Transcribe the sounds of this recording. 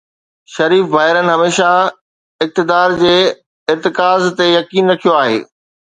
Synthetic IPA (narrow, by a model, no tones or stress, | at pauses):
ʃɐɾiːfʋaːɦɪɾənɪ̆ɦɐmeːʃa | ɪk̚t̪ɪd̪aːɾd͡ʑeː | ɪɾt̪ɪkaːzt̪ejɐkiːnɾɐkʰijoaːɦḛː